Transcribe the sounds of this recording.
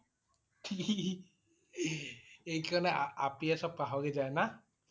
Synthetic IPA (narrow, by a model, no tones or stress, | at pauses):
kʰi | ejkaɹɔnɛaapiɛsɔp̚kaɦɔɡid͡ʒajna